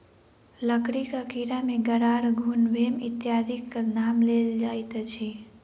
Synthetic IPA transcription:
ləkɾikakiɾameɡəɽaɽɡʱunʋemɪ̰t̪jad̪ʱikːanamleld͡ʒajt̪at͡ʃʰe

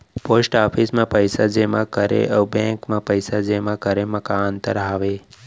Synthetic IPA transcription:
posʈapʰismãpəjsad͡ʒemãkəɾḛʔəbɛ̃ŋkmãpəjsad͡ʒemãkəɾemə̃kaːnt̪əɾɦaʋe

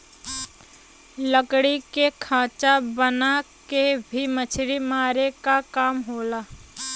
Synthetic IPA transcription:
ləkɽikekʰaːt͡ʃabənakebʱimət͡ʃʰɾimaːɾekakaːmɦoːlaː

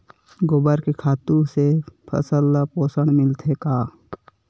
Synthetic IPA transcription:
ɡobəɾkekʰaːt̪ũsepʰə̰səlːapoːsəɽ̃mɪlt̪ʰekaː

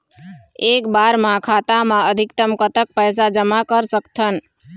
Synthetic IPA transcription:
ekbaɾmãkʰat̪amaəd̪ʱikt̪əmkət̪ək̚pəjs̬ad͡ʒəmakəɾsəkt̪ʰən

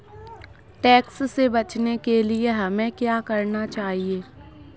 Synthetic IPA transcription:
ʈɛːkssebɐt͡ʃnekelieɦɐmẽkjaːkɐɾnat͡ʃaːɦieː

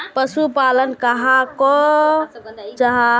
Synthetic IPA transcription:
pəsupalənkəɦakɔ | d͡ʒəɦa

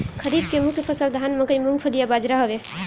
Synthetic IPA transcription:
kʰəɾid̪̚kemukʰpʰəsəld̪ʱanməkəjmuŋɡpʰəlijabad͡ʒɾaɦəbe

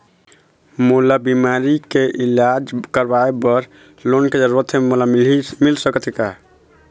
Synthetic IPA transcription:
mulabimaɾikeʔilad͡ʒkəɾbaebəɾ | lonked͡ʒəɾuɾət̪ʰemulamilsəkət̪ʰika

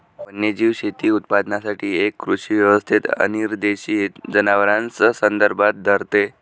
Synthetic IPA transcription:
pənːjed͡ʑiːʋɕet̪iːut̪̚pad̪nasaʈʰiːekːɾuɕiːʋjəʋəst̪ʰit̪ə̰niɾd̪eɕiet̪d͡zənaʋəɾãnt͡səsənd̪əɾbʱat̪̚d̪ʱəɾt̪e

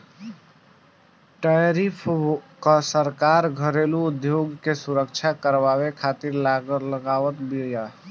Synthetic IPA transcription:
ʈajɾipʰkəsəɾkaɾɡʱəɾeluːd̪joɡkesuɾəkt͡ʃʰakəɾbaβekʰat̪iɾlləɡaʋət̪bʱija

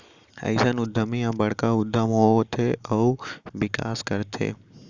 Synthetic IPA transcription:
ə̰jsanud̪ʱəmiãbəɽkaʊd̪ʱːəmɦoot̪ʰeʔəuʋɪka̰skəɾt̪ʰḛ

